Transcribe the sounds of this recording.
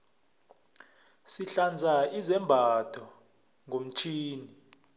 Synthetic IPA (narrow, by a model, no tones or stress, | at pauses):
siɬand͡zʱaizɛmbʱad̥ʰʱɔ | ŋʱom̩t͡ʃʰiːni